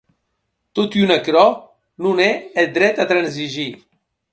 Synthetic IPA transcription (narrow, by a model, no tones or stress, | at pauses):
t̪ot̪ynakɾɔ | nunɛed̪ɾɛt̪at̪ɾanziʒi